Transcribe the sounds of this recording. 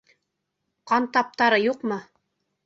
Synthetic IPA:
qɑnt̪ɑp̚t̪ɑɾɤjuqmɤ

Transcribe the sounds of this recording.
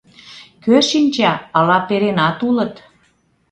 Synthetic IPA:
køʃinʲt͡ɕɑəlɑpeɾenɑt̪ulə̆t̪

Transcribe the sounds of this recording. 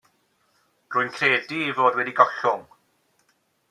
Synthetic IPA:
rʊːjnkʰreːdiivoːdwɛdiɡɔɬʊŋ

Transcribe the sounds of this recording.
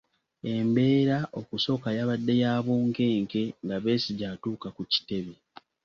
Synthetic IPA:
e̞mbe̞ːɾaʔo̞kuso̞kajaβadːe̞jaːβuːŋke̞ːŋke̞ŋɡaβe̞ːsiɟaːtuːkakuci̥te̞βe

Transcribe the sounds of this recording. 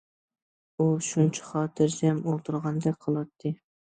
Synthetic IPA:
uʃunt͡ʃʰɛ̥χɑːt̪ʰɨɾsɛmolˠt̪ʰuɾʁɑnd̪ɛk̚ʲqʰəlˠwɑt̪ʰːɨ

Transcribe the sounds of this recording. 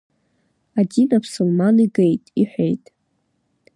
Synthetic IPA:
adinabʰsulmaniɡejtʼiħʷᶣejtʼ

